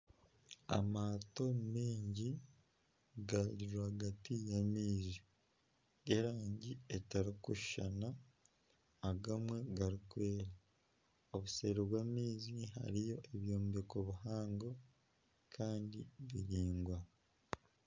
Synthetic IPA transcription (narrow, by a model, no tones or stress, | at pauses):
a̰maːto̞miːɲɟi | ɡaɟiɾoaɡatijamiːzi | eɾaːɲɟietaɾikuʃa̰na | ɡamwe̞ɡaɾikwe̞ːɾa | oβuseːɾiβwaːmiːziha̰ɾijo̞ʔeβjoːmbekoβuhaːŋɡo̞ | kʰaːndiβiɾiːŋɡwa